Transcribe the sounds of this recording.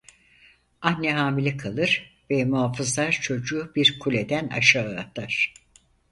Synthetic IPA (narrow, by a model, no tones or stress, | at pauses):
annɛɦaːmilʲɛkʰalˠɯɾ̥vɛmuɦaːfɯzlˠaɾt͡ʃʰo̞d͡ʒuːbiɾkʰulʲe̞d̪æna̰ʃaːɯa̰t̪ʰaɾ̥